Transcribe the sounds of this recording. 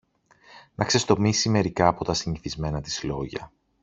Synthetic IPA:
nʔɐkse̞st̪o̞misime̞ɾikɐːpo̞t̪ɐsiɲiθizme̞nɐt̪izlo̞ʝɐ̰

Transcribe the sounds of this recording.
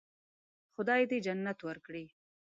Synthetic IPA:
xʊd̪ɑjed̪ed͡ʒanːat̪waɾkɽi

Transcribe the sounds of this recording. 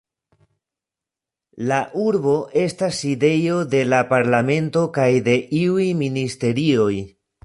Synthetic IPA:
laʔuɾbo̞ʔe̞staside̞jo̞de̞lapaɾlame̞nto̞kajde̞ʔiujministe̞ɾio̞j

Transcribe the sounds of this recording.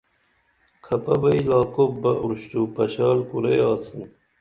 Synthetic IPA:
kʰɐpɐbɐilaːkobɐʔuɾɕʈ̪upɐɕaːlkuɾeaːt̪ʰin

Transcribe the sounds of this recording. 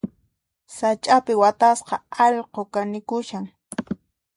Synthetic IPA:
sat͡ʃʼapɪwat̪asqɑɑʎqokanɪkʊʃaŋ

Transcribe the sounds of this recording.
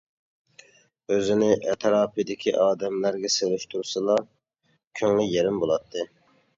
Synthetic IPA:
øzɪnɪʔɛt̪ʰɾɑːpʰɨd̪ɪkʲʰiʔɑːd̪ɛmlæɾɡʲɛselyʃt̪ʰuɾsɨlˠɑ | kʲʰøŋlyjeɾɪmbolˠɑt̪ʰːɨ

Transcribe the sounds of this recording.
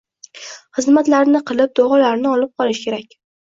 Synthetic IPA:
χɨzmat̪laɾnɪqʰɨlˠɪp̚d̪oʁɒlaɾnɪɒlɪp̚qʰɒlˠɪʃkʲʰe̞ɾakʲ

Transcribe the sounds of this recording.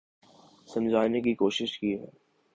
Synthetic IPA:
sɐmzaːjnekikoːʃɪʃkiɦɛ̰ː

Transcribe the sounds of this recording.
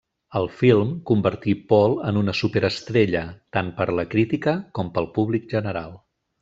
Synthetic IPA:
əlˠfilˠmkumbəɾt̪ipɔlˠənunəsupeɾəst̪ɾeʎət̪anpəɾləkɾit̪ikəkɔmpəlˠpuβlik̚ʒənəɾalˠ

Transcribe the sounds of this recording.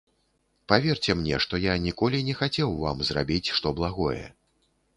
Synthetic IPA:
pavʲɛrt͡sʲɛmnʲɛ̰ʂt̪ɔjanʲikɔlʲinʲɛxat͡sʲɛwva̰mzra̰bʲit͡sʲʂt̪ɔblˠaɣɔjɛ̰

